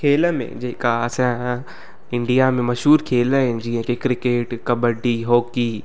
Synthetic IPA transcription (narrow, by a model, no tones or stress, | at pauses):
kʰeːləmḛ̃d͡ʑeːɪkaɐsã | ɪ̃ɳɖijamẽmɐʃɦuːɾkʰeːləɦɪnd͡ʑiːɦə̃kekɾɪkeːʈkɐbəɖiɦoːki